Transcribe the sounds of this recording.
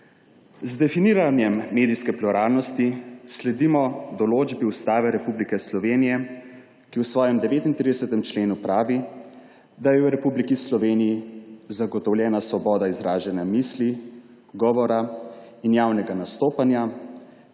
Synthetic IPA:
zd̪ɛfiniɾanjɛmːeːd̪ijskɛpluɾaːlnɔst̪islɛd̪imɔd̪ɔloːd͡ʒbiust̪aːʋɛɾɛpublikɛslɔʋeːnijɛ | kiwsʋɔːjɛmd̪ɛʋeːt̪int̪ɾid̪ɛsɛt̪ɛmt͡ʃleːnupɾaːʋi | d̪ajɛwɾɛpublikislɔʋeːnijizaɡɔt̪ɔwljɛːnasʋɔbɔːd̪aizɾaːʒɛnjamisli | ɡɔːʋɔɾa | injaːwnɛɡanast̪oːpanja

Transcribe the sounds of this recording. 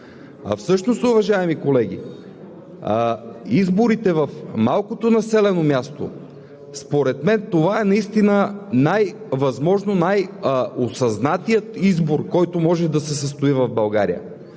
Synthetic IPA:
ɐ̰fsɤʃnost̪ʊvɐʒaɛmikolɛɡ̟ʲḭ | izboɾit̪ɛvɐfmalˠkot̪onɐsɛlɛnomʲjast̪o̰ | spoɾɛt̪mɛnt̪ovaɛnɐist̪inənaj | vɐzmɔʒnonajosɐznat̪ijət̪izboɾkɔjt̪omɔʒɛd̪ɐsɛsəst̪oivɐvbɐlˠɡaɾḭjə̰

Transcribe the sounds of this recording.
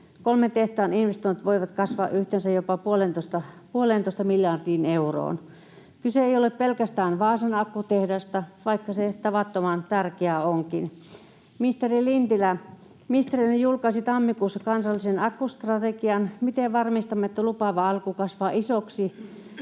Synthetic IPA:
kolmet̪eht̪ɑːninʋest̪oint̪ʋoiʋɑt̪kɑsʋɑ̰ːʔyht̪ensæjopɑpuolent̪ost̪ɑpuoleːˑnt̪oˑist̪ɑmiljɑːrdiːneuro̰ːn | kyseeijoleppelkæst̪æːnʋɑːsenɑkːut̪ehdɑst̪ɑʋɑikːɑset̪ɑʋɑt̪ːomɑnt̪ærkeæoŋkin | mist̪erilint̪ilæ | mist̪erinjulkɑisit̪ɑmːikusːɑkɑnsɑlːisenɑkːust̪rɑt̪ekiɑnmit̪eʋɑrmist̪ɑmːeet̪ːælupɑʋɑɑlkukɑsʋɑːʔisoksi

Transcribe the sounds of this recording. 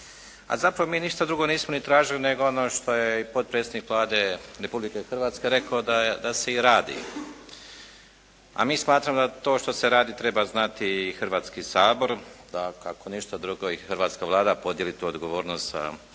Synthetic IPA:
a̰zapɾaʋo̞miːniʃt̪ad̪ɾuɡo̞niːsmonit̪ɾaːʒiline̞ɡoonoʃt̪o̞jeipo̞t̪̚pɾet̪sed̪nikʋlˠaːd̪e̞ɾe̞publikexr̩ʋaːt̪ske̞ɾe̞kaod̪ad̪ase̞iɾaːd̪ḭ | a̰miːsmaːt̪ɾamod̪at̪o̞ːʃt̪oseɾaːd̪it̪ɾe̞baznat̪iːxr̩ʋaːt̪skisaːbo̞ɾd̪akako̞niʃt̪ad̪ɾuɡoixrɾʋaːt̪skaʋlˠaːd̪apo̞d̪jelit̪uːod̪ɡo̞ʋo̞ːɾnost̪za̰

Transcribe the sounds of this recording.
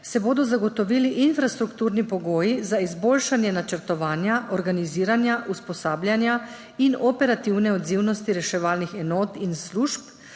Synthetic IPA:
sɛboːd̪ɔzaɡɔt̪ɔʋiːliʔinfɾast̪ɾukt̪uːɾnipɔɡoːjizaizboːlʃanjɛnat͡ʃəɾt̪ɔʋaːnjaʔɔɾɡaniziːɾanjaʔuspɔsaːblʲjanja | inɔpɛɾat̪iwnɛɔd̪ziwnɔst̪iɾɛʃɛʋaːlnixɛnoːt̪insluːʃp

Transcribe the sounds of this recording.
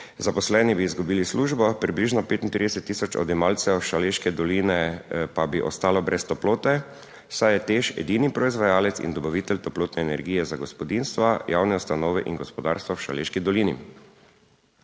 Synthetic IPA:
zapɔslɛːnibiːzɡubiːlisluːʒbɔpɾibliʒnɔpeːt̪int̪ɾid̪ɛsɛt̪ːiːsɔt͡ʃɔ̰d̪ɛmaːlt̪sɛʃaleːʃkɛd̪ɔliːnɛpabiʔɔ̰st̪aːlɔbɾʔɛst̪ɔploːt̪ɛ | wsajɛt̪eʃɛ̰d̪inipɾɔizʋajaːlɛt̪sḭnd̪ɔbɔʋiːt̪ɛlt̪ɔploːt̪nɛːnɛɾɡijɛzaɡɔspɔd̪inst̪ʋajawnɛust̪anɔːʋɛʔinɡɔspɔd̪aɾst̪ʋawʃaleːʃkid̪ɔlinḭ

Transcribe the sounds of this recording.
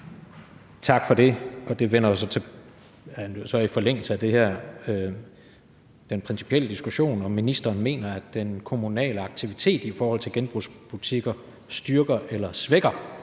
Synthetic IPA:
t͡sʰɑ̈ɡ̥fɒ̽ɾ̥e̝ɒ̽d̥e̝ʋen̰ɐɒsɒ̽t͡sʰe̝ | osɒ̽ifɒ̽leŋ̰l̩səæd̥e̝hæɐ̰ø | d̥enpʰʁɛnsi̥pʰiel̰əd̥isɡ̥uɕo̝̰ːnɒ̽minisd̥ɐːnme̝̰ːnɐæd̥ːenkʰo̝munɛ̰ːləɑ̈ɡ̥̚t͡sʰiʋit͡sʰe̝̰ːd̥ifɒːhɒ̽l̰t͡sʰe̝lɡ̥enb̥ʁusb̥ut͡sʰiɡ̥ɐ | sd̥yɐɡ̥ɐʔelɐsʋeɡ̥ɐ

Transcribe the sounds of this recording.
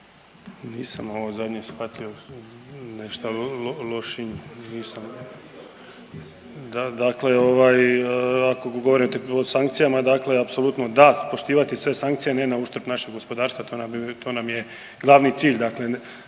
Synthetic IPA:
niːsamo̞ʋozad̪ɲesxʋat̪io̞ | neʃt̪alolo̞ʃiniːsam | d̪ad̪akle̞o̞ʋaːjako̞ɡo̞ʋo̞ɾit̪eosaŋk̚t̪sijamad̪akleapso̞lˠut̪nod̪apo̞ʃt̪iːʋat̪isʋe̞saŋkt̪sijenenauʃt̪ɾ̩pnaʃe̞ɡo̞spo̞d̪aːɾst̪ʋat̪onamt̪o̞ːnamje | ɡlˠaʋnit̪siːʎd̪akle̞

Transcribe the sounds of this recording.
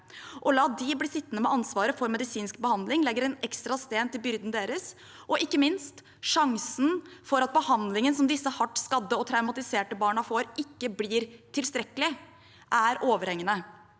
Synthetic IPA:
ʔɔlɑːd̪ɪbliːsɪt̪ːənəmɛʔɑnsʋɑːɾəfɔɾmɛd̪ɪsiːnsk̚bəhɑnd̪lɪŋlɛɡːəɾɛnɛkst̪ɾɑst̪eːnt̪ɪlbʏɾd̪nd̪eːɾəs | ʔɔʔɪkːəmɪnst̪ | ʂɑŋsn̩fɔɾɑt̪̚bəhɑnd̪lɪŋənsɔmd̪ɪsːəhɑʈːskɑd̪ːəɔt̪ʰɾɑʉmɑt̪ɪseːʈəbɑːɳɑfoːɾɪkːəbliːɾt̪ʰɪlst̪ɾɛkːəlɪ | ʔæɾʔoːʋəɾhɛŋːənə

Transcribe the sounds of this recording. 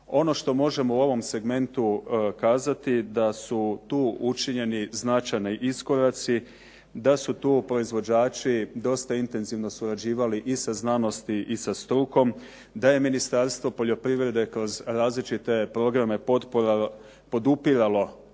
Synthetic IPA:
o̞no̞ʃt̪o̞mo̞ʒe̞mouo̞ʋo̞mse̞ɡme̞nt̪ukaːzat̪id̪asut̪uːʔut͡ʃiɲe̞niznat͡ʃajniʔisko̞ɾat̪si | d̪asut̪uːpɾo̞izʋo̞d͡ʑaːt͡ʃid̪o̞st̪aint̪e̞nziʋno̞suɾad͡ʑiːʋaliʔisaznano̞st̪iʔisast̪ɾuːko̞m | d̪aje̞minist̪aɾst̪ʋo̞po̞ʎo̞pɾiʋɾe̞d̪e̞kɾo̞zɾaːzlit͡ʃit̪e̞pɾo̞ɡɾame̞pot̪poɾa | po̞d̪upiɾalo̞

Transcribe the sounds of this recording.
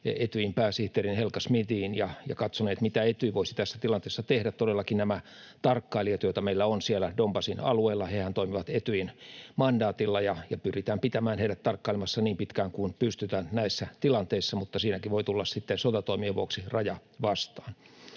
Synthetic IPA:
et̪yimpæːsiht̪eːrinhelkɑsmit̪iːnjɑjɑ̰kɑt̪soneːt̪mit̪æet̪yiʋoisi̥t̪æsːæt̪ilɑnt̪eˑːsːɑt̪ehdæt̪t̪odelːɑkinnæmæ | t̪ɑrkːɑiliɑt̪jot̪ɑmeilːæonsielædombɑsinɑ̰lueːlːɑhehænt̪oimiʋɑt̪et̪yinmɑndɑːt̪ilːɑjɑjɑpyrit̪æːmpit̪æmæːnheiɾæt̪t̪ɑrkːɑilemɑsːɑniːmpit̪kæːŋkunpyst̪yt̪æːnnæisːæt̪ilɑnt̪eisːɑmut̪ːɑsiːnækiʋoit̪ulːɑssit̪ːensot̪ɑt̪oimieʋuoksirɑjɑʋɑst̪ɑ̥ːn

